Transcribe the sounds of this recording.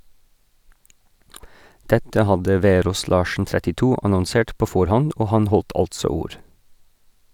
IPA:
ˈdɛtə ˈhɑdə ˈʋeːɾoːs ˈlɑːʃn̩ tɾɛtɪˈtuː ɑnɔnˈseːʈ ˈpoː ˈfɔɾhɔnd ˈoː ˈhɑn ˈhɔlt ˈɑltsɔ ˈuːɾ

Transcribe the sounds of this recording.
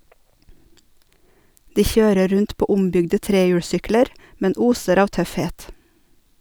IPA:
ˈdiː ˈçøːɾə ˈɾʉnt ˈpoː ˈʊmbʏɡdə ˈtɾeːjʉːɽˌsʏkləɾ ˈmɛn ˈuːsəɾ ˈɑːʋ ˈtœfˌheːt

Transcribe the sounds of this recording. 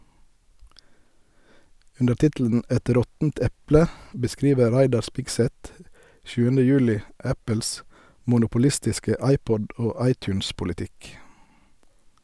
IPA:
ˈʉndə ˈtɪtl̩n̩ ˈɛt ˈɾɔtn̩t ˈɛplə bəˈskɾiːʋə ˈɾæɪdɑ ˈspɪɡˌsɛt ˈʃʉːənə ˈjʉːlɪ ˈæpəls mʊnʊpʊˈlɪstɪskə ˈɑɪˌpɔd ˈoː ˈɑɪˌtʉːnspʊlɪˌtɪk

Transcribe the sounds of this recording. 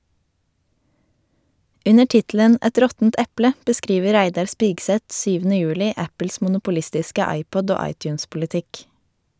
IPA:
ˈʉnə ˈʈɪtl̩ən ˈɛt ˈɾɔtn̩t ˈɛplə bəˈskɾiːʋə ˈɾæɪdɑɾ ˈspɪɡsɛt ˈʃyːʋn̩ə ˈjʉːlɪ ˈæpl̩s mʊnʊpʊˈlɪstɪskə ˈɑɪˌpɔd ˈoː ˈɑɪˌtjʉːnspʊlɪˌtɪk

